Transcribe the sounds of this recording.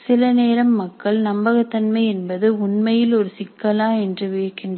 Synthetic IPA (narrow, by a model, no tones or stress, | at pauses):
sɪlɐneːɾɐmːɐkːɐɭnɐmbɐɣɐt̪ːɐnmɐɪɛnbɐðɯʊnmɐjɪlɔɾɯsɪkːɐlaːɛndrɯʋiːɾkɪndr